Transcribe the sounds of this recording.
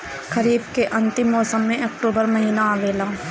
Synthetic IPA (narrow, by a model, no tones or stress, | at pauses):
kɐɾiːbkeʔɐ̃nt̪ɪmːɔːsəmːẽʔɐkʈoːbəɾmɐɦiːnaaʋeːlaː